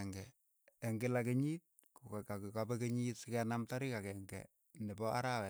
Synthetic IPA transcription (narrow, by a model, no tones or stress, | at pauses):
ŋɡɛ | ɛŋɡɪlakeɲit̚ | kukkakikabɛkeɲitsɪkɛnamtaɾikakɛŋɡɛ̰ | nɪpɔʔaɾawɛ